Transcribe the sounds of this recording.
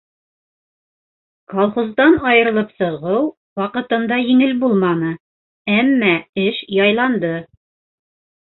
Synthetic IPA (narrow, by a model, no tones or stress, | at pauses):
kɑlˠχozd̪ɑnɑjɤ̆ɾɤ̆lˠɤpsɤ̆ʁɤw | wɑqɤ̆t̪ɤ̆nd̪ɑjɘ̆ŋɘlbulˠmɑnɤ | æmːæɘʃjɑjlˠɑnd̪ɤ